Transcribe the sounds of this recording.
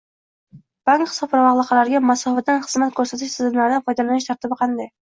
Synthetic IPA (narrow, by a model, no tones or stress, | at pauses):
b̥aŋkχɨsɒpɾavɑʁlˠɨqʰːɑlaɾɡʲamasɒfat̪ːanχɨzmat̪̚kʰɵɾsat̪ʰɪʃsɪzɪmlaɾɪd̪afɒjd̪alanɪʃt̪ʰaɾt̪ɪbɪqʰɑnd̪aj